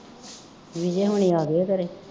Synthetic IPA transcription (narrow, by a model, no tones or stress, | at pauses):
ʋid͡ʒeːɦoɳ̃iːaːɡeːkəɾeː